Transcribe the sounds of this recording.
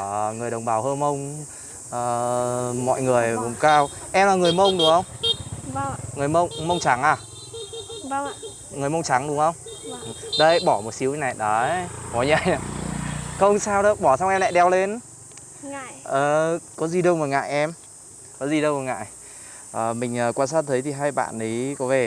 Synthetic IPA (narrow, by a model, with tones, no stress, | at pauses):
ŋɨ˨˩əjɗə˨˩wŋ͡mɓaː˨˩whəː˧nmə˧wŋ͡m | əː˨˩mɔ̰˧˨jŋɨ˨˩əjkʊ˨˩ŋ͡mkaː˧wʔɛ˧mlaː˨˩ŋɨ˨˩əjmə˧wŋ͡mɗʊ˨˩əŋhə˧wŋ͡m | ŋɨ˨˩əjmə˧wŋ͡mmə˧wŋ͡mt͡ɕa˨˦ŋaː˨˩˧ | ŋɨ˨˩əjmə˧wŋ͡mt͡ɕa˨˦ŋɗʊ˨˦ŋhə˧wŋ͡m | ɗə˧jɓɔ˧˩mo˨˩t̚si˨˦wna˨˩jɗɔ˨˦mɔ˨˩˦ɲa̰˧˩˨ja˨˩ | xə˧wŋ͡msaː˧wɗə˨˦ɓɔ˧˩sa˧wŋ͡mʔɛ˧mla̰˧˨jɗɛ˧˩wle˧n˧ | ʔəː˨˩kɔ˨˦zi˨˩ɗə˧wŋ͡mvəː˨˩jŋa̰ː˧˨jʔɛ˧m | kɔ˨˦zi˨˩ɗə˧wŋ͡mvəː˨˩jŋa̰ː˧˨j | ʔəː˨˩mï˨˩ŋ̟ʔəː˨˩kwaː˧nsaː˦˥t̚t̪ʰə˨˦jt̪ʰi˨˩ɦaː˧jɓa̰ː˧˨nɗə˨˦jkɔ˨˦ve˨˩